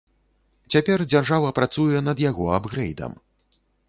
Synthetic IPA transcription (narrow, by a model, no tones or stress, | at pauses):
t͡sʲapʲɛrd͡zʲarʐavɐpɾat̪sujɛnɐd̪jaɣɔabɣɾɛjd̪ɐ̰m